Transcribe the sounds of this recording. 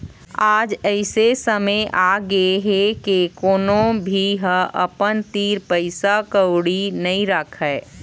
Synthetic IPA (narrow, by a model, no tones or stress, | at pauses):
aːd͡ʒəɪsesəməjʔaɡeeɦekekoːnobʱiɦə̃ʔə̰pənt̪iɾpəɪsakəwɽinəĩɾəkʰəː